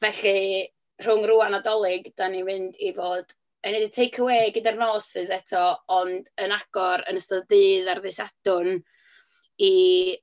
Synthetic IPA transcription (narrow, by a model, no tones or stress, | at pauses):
vɛɬɨ | r̥ʊŋruanadɔlˠɪɡd̥animɨndivoːd̥ | ənɛdɪtʰejkʰəweːɡɪdarnoːsɨsɛtʰɔɔnd̥ənaɡ̥ɔɾə̰nəstəðdɨːðarðɨsadʊn | i